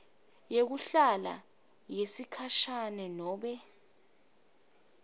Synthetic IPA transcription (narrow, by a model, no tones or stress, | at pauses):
jek̬uɬala̰ | jesikʰaʃanɛnɔːɓɛ